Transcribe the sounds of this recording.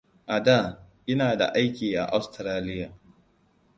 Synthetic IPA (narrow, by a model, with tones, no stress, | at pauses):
ʔa˨daː˦˨ʔɪ˦naː˨da̰˨ʔa˦jkʲiː˨ʔa̰˨ʔa˨˦wstɾaː˦lɪ˦jaː˨